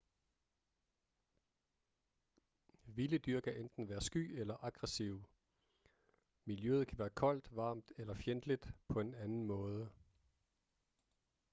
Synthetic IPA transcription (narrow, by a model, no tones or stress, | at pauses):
ʋiːləd̥yɐ̰kʰæʔend̥n̩ʋæːɐsɡ̥y̰ːelɐʔɑɡ̥ʁɛsiʊ | miljøð̞̩ˠkʰæʋæːɐkʰɒ̽l̰d̥ʋɑ̈ːmd̥elɐfjend̥lid̥pʰɒ̽e̝nænn̩mɔ̽ːð̞ˠə